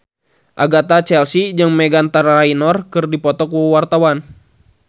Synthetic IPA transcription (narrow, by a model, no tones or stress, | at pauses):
ʔa̰ɡat̪at͡ʃɛlsid͡ʒɨŋmɛɡant̪arrainɔrkɨrdipɔt̪ɔkwart̪awan